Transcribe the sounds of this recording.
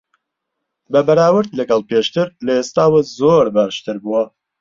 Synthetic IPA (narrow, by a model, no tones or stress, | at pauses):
bɐbɐɾaːwɨɾd̪lɐɡɐlˠpeːʃt̪ɨɾlɐest̪aːwɐzoːɾbaʃt̪ʰɨɾbuwɐ